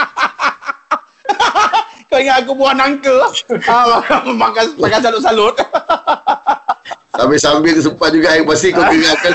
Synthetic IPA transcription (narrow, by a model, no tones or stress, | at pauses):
kowiŋat̪ak̬ubuahnaŋkəamakamakamakans̬alʊt̪̚salʊt̪̚ | sambisambɪlt̪usəmpat̪̚d͡ʒuɡakpasikokuiŋaka